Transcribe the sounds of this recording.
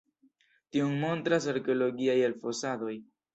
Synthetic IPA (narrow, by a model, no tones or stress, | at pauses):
tiuŋmo̞ntɾas̬aɾkeolo̞ɡiajelfo̞sado̞j